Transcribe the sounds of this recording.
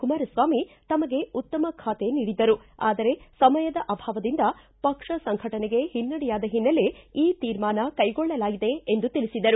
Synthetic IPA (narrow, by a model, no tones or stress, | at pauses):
kumaːɾɐsʋaːmit̪ɐmɐɡe̞ut̪ːɐmɐkʰaːt̪e̞niːɽid̪ɐɾuaːd̪ɐɾe̞sɐmɐjɐd̪ɐʔɐbʱaːʋɐd̪ind̪ɐ | pɐkʂɐsɐŋɡʱɐʈɐnɛɡe̞hinːɐɽijaːd̪ɐɦinːɐle̞iːt̪iːɾmaːnɐkɐjɡɔɭːɐlaːɡid̪e̞ːnd̪ut̪ilisid̪ɐɾu